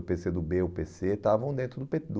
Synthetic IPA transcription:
ʊpesed̪ʊbeʊpeset̪avɐ̃w̃d̪ẽt̪ɾʊd̪ʊped̪

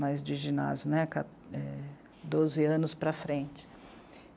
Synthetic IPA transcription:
majzd͡ʒɪʒina̰zjʊnɛka | ɛ | d̪ozɪɐ̃nʊspɾɐfɾẽt͡ʃɪ̥

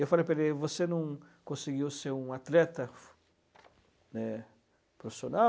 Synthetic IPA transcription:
ewfalejpelevosenɐ̃w̃ | kõsiɡiwseɾũat̪lɛt̪ɐ | nɛ | pɾofisona

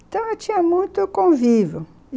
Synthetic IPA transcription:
t̪ɐ̃w̃at͡ʃĩɲɐmũj̃t̪ʊkõvivʊ

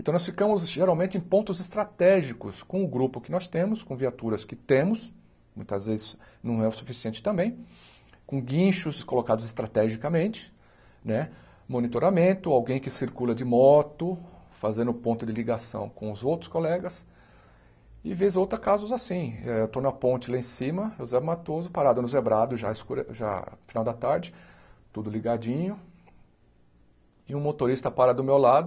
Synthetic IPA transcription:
ẽnt̪ɐ̃w̃nɔsfikɐ̃mʊzʒeɾawmẽnt͡ʃɪẽj̃põnt̪ʊzɪst̪ɾat̪ɛʒikʊ̰skõw̃ʊɡɾupʊkɪnɔst̪ẽmʊskõviat̪uɾɐskɪt̪ẽmʊs | mũj̃t̪ɐzvezɪz̥nɐ̃w̃ɛʊsufisiẽnt͡ʃɪ̥t̪ɐ̃mbẽj̃ | kõɡĩʃʊskolokad̪ʊzɪst̪ɾat̪ɛʒikɐmẽnt͡ʃɪ̥ | nɛ | mõnit̪oɾamẽnt̪ʊawɡẽj̃kɪsiɾkulɐd͡ʒɪmɔt̪ʊfazẽnd̪ʊpõnt̪ʊd͡ʒɪliɡasɐ̰̃w̃kõʊzowt̪ɾʊskolɛɡɐs | ɪvezowt̪ɾɐkazʊzasĩɛewt̪onɐpõnt͡ʃɪlaẽsĩmɐʒozɛmat̪ozʊpaɾad̪ʊnʊzebɾad̪ʊʒa̰ɪskuɾʒa̰finawd̪ɐt̪aɾd͡ʒɪ | t̪ud̪ʊliɡad͡ʒĩɲʊ | ɪũmot̪oɾist̪ɐpaɾɐd̪ʊmewlad̪ʊ

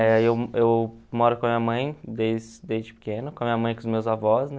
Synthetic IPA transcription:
ɛewewmɔɾʊkõɐmĩɲɐmɐ̃j̃d̪ejzd̪ejzd͡ʒɪpɪ̥kẽnʊkõɐmĩɲɐmɐ̃j̃kõʊzmewzavɔsnɛ

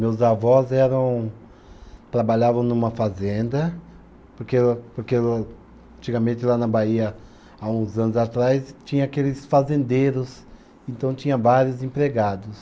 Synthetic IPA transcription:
mewzavɔzɛɾɐ̃w̃ | t̪ɾabaʎavɐ̃w̃nũmɐfazẽnd̪ɐ | poɾkepoɾke | ɐ̃nt͡ʃiɡɐmẽnt̪ɪlanɐbaiɐ | aũzɐ̃nʊzat̪ɾajst͡ʃĩɲɐ̃akelɪsfazẽnd̪eɾʊs | ẽnt̪ɐ̃w̃t͡ʃ̪ĩɲɐ̃vaɾjʊzẽmpɾeɡad̪ʊs

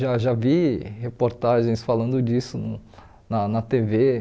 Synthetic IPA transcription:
ʒaʒavihepoɾt̪aʒẽj̃sfalɐ̃nd̪ʊd͡ʒisʊn | nɐnɐt̪eve

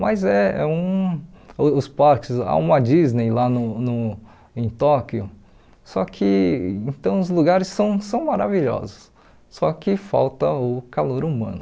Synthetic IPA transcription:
mazɛɛ̰ũ | ʊʊspaɾkɪza̰ũmɐd͡ʒiznejlanʊnʊ | ẽj̃t̪ɔkjʊ | sɔkʰɪ̰̃ẽt̪ɐ̃w̃ʊzluɡaɾɪsːɐ̃w̃sɐ̃w̃maɾaviʎɔ̰zʊs | sɔkɪfa̰wt̪ɐʊkaloɾumɐ̰̃nʊ

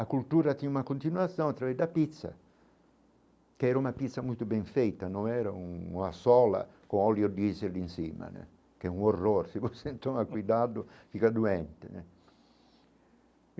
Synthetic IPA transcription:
akult̪uːɾat̪inunakont̪inwat̪sjɔ̃nat̪ːɾavɛd̪apit̪sːa̰ | kɛːɾaunapit̪sːamujt̪ʊbɛɱfejt̪anonɛːɾauasɔːla̰ | koɔljod̪iselinsiːma̰nḛ | kɛunorːoɾsiposent̪omakwid̪adʊfikad̪uɛnt̪ḛnɛ̰

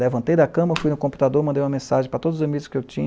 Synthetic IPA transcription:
levɐ̃nt̪ejd̪ɐkɐ̃mɐfujnʊkõmpu̥t̪ad̪oɾmɐ̃nd̪ejumɐmẽsaʒẽj̃pɾɐt̪od̪zʊzamiɡʊskɪewt͡ʃĩɲ

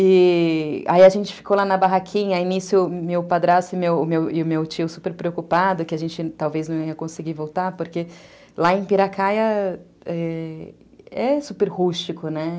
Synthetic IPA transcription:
ɪ | a̰iɐʒẽnt͡ʃɪ̥fi̥kolanɐbaɦakʰĩɲɐainisjʊmewpad̪ɾasʊɪmewʊmewɪʊmewt͡ʃiʊsupeɾpɾeokupad̪ʊkɪaʒẽnt͡ʃɪt̪awveznɐ̃w̃iɐkõsɪɡivowt̪aɾpoɾke | laẽj̃piɾakajɐ | ɛ | ɛsupeɾhuʃt͡ʃikʊnɛ

